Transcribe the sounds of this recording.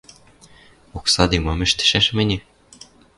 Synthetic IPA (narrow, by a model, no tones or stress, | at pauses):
oksɑd̪emɑmɘ̆ʃt̪ɘ̥̆ʃæʃmɘ̆nʲĕ